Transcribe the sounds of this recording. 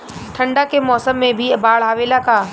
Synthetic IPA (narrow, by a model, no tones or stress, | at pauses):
ʈʰɐ̃ɳɖakemɔːsəmːẽbʱibaːɭɦaːʋeːlakaː